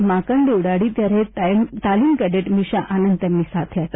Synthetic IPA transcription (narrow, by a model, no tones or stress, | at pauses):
makəɳɖewɽaɽiːt̪jaɾet̪t̪alimkəɖeʈmiɕaʔanənd̪jamːiːsat̪ʰjat̪